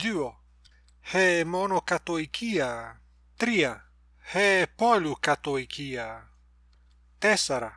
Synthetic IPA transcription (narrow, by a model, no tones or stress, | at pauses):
ʎyo | hemonokat̪oikʰia | t̪ɾia | hepolukat̪oikʰia | t̪esaɾa